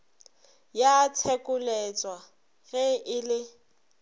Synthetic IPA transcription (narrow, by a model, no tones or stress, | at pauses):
jat͡sʰɛkʼʊlɛt͡sʼwa | ɣɛʔɪlɪ